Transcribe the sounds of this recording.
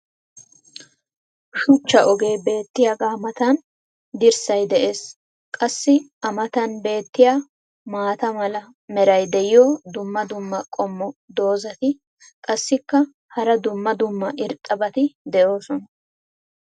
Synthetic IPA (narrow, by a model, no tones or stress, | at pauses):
ʃʊt͡ʃːɐʔɔɡe̞ːbe̞ːt̪ːɪjaɡaːmɐt̪ɐn | d̪ɪɾsɐjd̪ɛʔe̞ːs | kʼɐsːɪɐmɐt̪ɐnbe̞ːt̪ːɪjaː | maːt̪ɐmɐlɐ | mɛɾɐjd̪ɛjɪjoːd̪ʊmːɐd̪ʊmːɐkʼɔmːɔd̪o̞ːzɐt̪ɪ | kʼɐsːɪkːɐ | hɐɾɐd̪ʊmːɐd̪ʊmːɐʔɪɾt̪ʼːɐbɐt̪ɪd̪ɛʔo̞ːsɔnɐ